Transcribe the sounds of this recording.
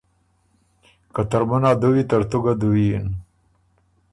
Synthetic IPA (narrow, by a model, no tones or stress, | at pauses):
kat̪aɾmanad̪owit̪aɾt̪oɡad̪uwin